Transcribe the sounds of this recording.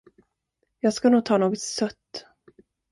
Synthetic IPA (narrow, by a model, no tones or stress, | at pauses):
jɑːɡskanuːɡ̚t̪ʰɑːnoːɡɔt̪sœt̪ː